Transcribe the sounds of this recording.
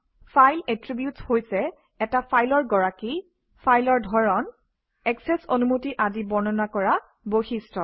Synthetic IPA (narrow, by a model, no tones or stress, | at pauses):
fʰajlɛtɹibjutshojsɛ | ɛtapʰajlɔɹɡɔɹaki | pʰajlɔɹdʱɔɹɔn | ɛksɛso̰numotiʔazibɔɹnɔnakɔɹa | boxistʰɔ